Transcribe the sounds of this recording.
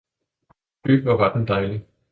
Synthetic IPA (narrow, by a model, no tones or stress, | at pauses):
b̥y̥ʋɑʋɑd̥n̩d̥ɑ̈ɪli